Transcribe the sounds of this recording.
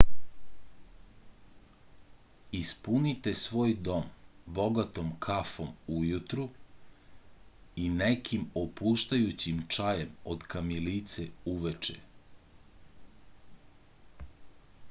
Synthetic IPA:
ispunit̪e̞sʋo̞ːjd̪o̞mbo̞ɡat̪omkʰafo̞mujut̪ɾu | inekʰimopuːʃt̪ajut͡ɕimt͡ʃajemod̪kamilit̪seuʋet͡ʃḛ

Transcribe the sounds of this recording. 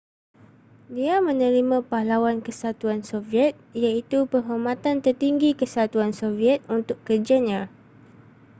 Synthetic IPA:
diamə̃nə̃ɾimãpahlawankəsat̪uansoviɛt̪̚ijait̪upəɦomat̪ant̪ərt̪iŋɡikəsat̪uansoviɛt̪̚unt̪ʊkkːərd͡ʒaɲã

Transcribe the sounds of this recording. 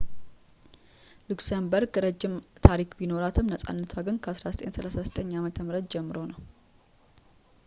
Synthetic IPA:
luksembəɾɡɨɾəd͡ʒːɪmt̪ʰaɾikbino̞ɾat̪ʰɨmnəsʼa̰nːət̪ʰwaɡɨnkʰəʔasɾazət̪ʼe̞nsəlasɾazət̪ʼəɲːamət̪ʰəmɾət̪̚d͡ʒɛmːɨɾo̞nəw

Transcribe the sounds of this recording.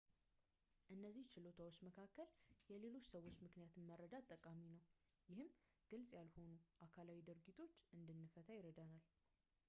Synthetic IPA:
ʔɨnːəzːiht͡ʃʰɪlo̞t̪ʰawot͡ʃːməkʰakːəljɛle̞lo̞t͡ʃːsəwo̞t͡ʃːmɨknijat̪ʰmːəɾːəd̪at̪ʼːəkʼaminəw | jɪhɨm | ɡ̥ɨlsʼjalho̞nuʔakʰalawid̪ɨɾɡit̪ʰo̞t͡ʃːʔɨnd̪ɨnːɨfət̪ʰajɪɾəd̪anal

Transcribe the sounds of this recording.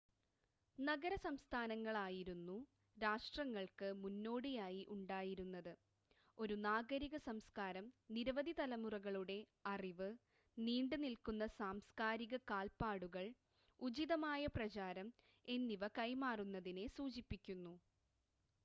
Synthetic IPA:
nɐɣɐɾɐsɐmst̪ʰaːnɐŋːɐɭaːjiɾunːu | ɾaːʂʈrɐŋːɐɭkɨmunːo̞ːɽijaːjiʔuɳɖaːjiɾunːɐðɨ | o̞ɾunaːɡɐɾiɣɐsɐmskaːɾɐmniɾɐʋɐd̪ʱit̪ɐlɐmurɐɣɐɭuɽe̞ | ɐriʋɨ | niːɳɖɨnilkunːɐsaːmskaːɾiɣɐkaːlpaːɽuɣɐɭ | ud͡ʑiðɐmaːjɐprɐt͡ɕaːɾɐm | e̞nːiʋɐkɐjmaːrunːɐðine̞suːt͡ɕipːikʲːunːu

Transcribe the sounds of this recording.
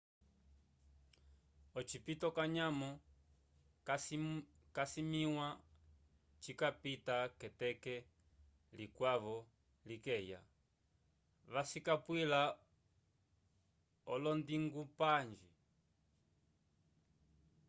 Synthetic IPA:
ɔt͡ʃipitɔkaɲamɔ | kasimiwa | t͡ʃikapitakɛtɛkɛ | likwaβɔ | likɛja̰ | βasikapwila | ɔlɔndiŋɡupaɲd͡ʒi

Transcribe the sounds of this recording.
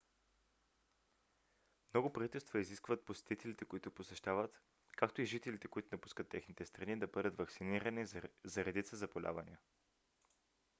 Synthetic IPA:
mnɔɡʊpɾɐvit̪ɛlˠst̪vəiziskvət̪̚posɛ̥t̪it̪ɛlit̪ɛkoit̪ʊposɛʃt̪avət̪ | kakt̪oiʒit̪ɛlit̪ɛkoit̪ʊnɐpu̥skət̪ːɛxnit̪ɛst̪ɾɐnid̪ɐbɤd̪ət̪vɐksiniɾɐnizɐɾɛd̪it̪səzɐpolʲa̰vɐnḭə

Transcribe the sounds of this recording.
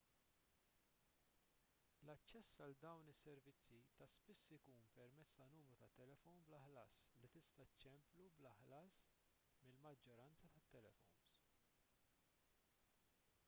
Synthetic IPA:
lɐt͡ʃːɛsːɐld̪ɐwnɪsːɛɾvɪt͡sːit̪ɐspɪsːɪkuːnpɛɾmɛt͡sːt̪ɐnuːmɾut̪ɐt̪ːɛlɛfɔwnblɐħlɐːslit̪ɪst̪ɐt͡ʃːɛmplublɐħlɐːs | mɪlmɐd͡ʒːɔɾɐnt͡sɐt̪ɐt̪ːɛlɛfɔwns

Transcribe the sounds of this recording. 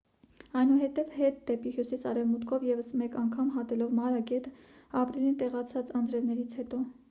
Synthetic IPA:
ɑjnuɦɛt̪ɛvhɛt̪̚d̪ɛpihjusisɑɾɛvmut̪kʰɔvjɛvəsmɛkɑŋkʰɑmɦɑt̪ɛlɔvmɑɾɑkɛt̪əɑpɾilint̪ɛʁɑt͡sʰɑt͡sɑnd͡zɾɛvnɛɾit͡sʰhɛt̪ɔ

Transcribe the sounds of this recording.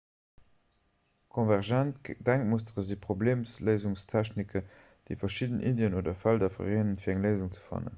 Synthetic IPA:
kʰonvæʁʒæntdæŋk̚mustəʁəzipʁobleːmsləɪzuŋstʰæɕnikʰə | d̥əɪfɐʃidnʔideənoːdɐfældɐfɐ̰ʁeːnənfiːæŋləɪzuŋt͡sə̥fɑ̰nə̰

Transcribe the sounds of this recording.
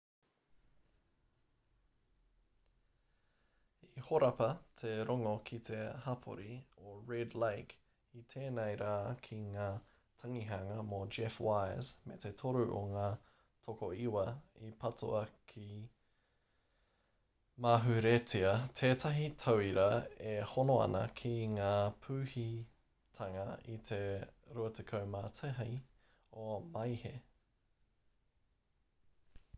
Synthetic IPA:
ihoɾɐpɐt̪ʰeɾoŋokʰit̪ʰe̞hɐpʰo̰ɾioɹedlejk | it̪ʰeːnejɾaːkʰiŋaː | t̪ʰɐŋiɦɐŋɐmod͡ʒɛfwajzmet̪et̪ʰoɾʉʔo̰ŋaː | tʰokoiwɐipʰɐto̰ɐkʰi | maɦʉɾetiɐtʰeːtʰɐɦitʰɐwiɾɐehonoɐ̰nɐ̰kʰiŋaːpʰʉːhi | tʰɐŋɐit̪ʰeɾuɐtʰekʰɐwmaːtʰeɦɐj | omɐjhe

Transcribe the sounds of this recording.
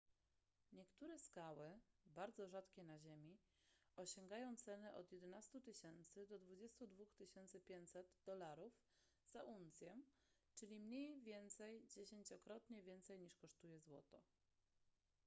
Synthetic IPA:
ɲɛkt̪uɾɛskawɘbaɾd̪zɔʐat̪kʲɛnaʑemʲi | ɔɕɔŋɡajɔ̃w̃t̪sɛnɛʔɔ̰d̪jɛd̪ɛnast̪ut̪ɘɕɛnt̪sɘd̪ɔd̪vud͡ʑɛst̪ud̪vuxt̪ɘɕɛnt̪sɘpʲjeɲt͡ɕʲsɛd̪d̪ɔlaɾuf | z̥aʔunt̪sʲjɛ | t͡ʂɘlʲimɲejvʲjɛnt̪sɛjd͡ʑeɕeɲt͡ɕɔkɾɔt̪ɲɛvʲjɛnt̪sɛjɲiʂkɔʂt̪ujɛzwɔ̰t̪ɔ

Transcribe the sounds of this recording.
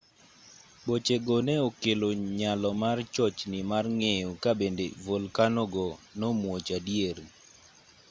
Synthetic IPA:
bot͡ʃeɡonɛokeloɲalɔmart͡ʃɔt͡ʃnɪmarŋejokabendḛvolkanɔɡɔnɔmwot͡ʃadjeɾ

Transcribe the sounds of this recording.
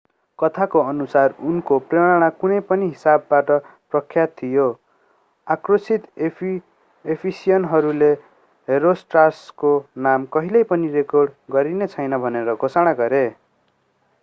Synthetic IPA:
kʌt̪ʰakoʌnusarunkopreɽ̃aɽ̃akunʌjpʌniɦisabːaʈʌprʌkʰːjat̪ʰːijo | akrosit̪ | epʰisijʌnɦʌɾule | ɦeɾosʈraskonamkʌɦilʌjpʌnirekorɖɡʌɾinet͡sʰʌjnʌbʱʌneɾʌɡʱosaɽ̃aɡʌɾe

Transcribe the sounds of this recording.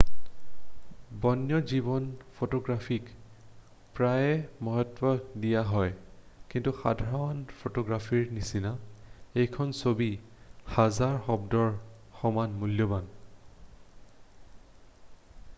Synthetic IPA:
bɔnjɔzibɔnpʰotɔɡɹapʰik | pɹajɛmɔɦɔtwɔdijaɦɔj | kintuxa̰dʱaɹaɔnpʰotɔɡɹafʰiɹnisinaejkʰɔnsobi | hazaɹxɔbdɔɹ | xɔmanmuljɔban

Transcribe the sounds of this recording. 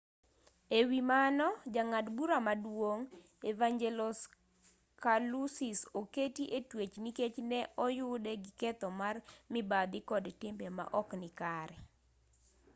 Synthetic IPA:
ewimanɔd͡ʒaŋadbuɾamadwoŋ | evaŋd͡ʒelɔs | kalusisoketiʔetwet͡ʃniket͡ʃnɛʔɔjʊdɛɡɪkɛt̪ɔmarmɪbad̪ɪkɔdtɪmbema̰ʔɔknɪkaɾɛ

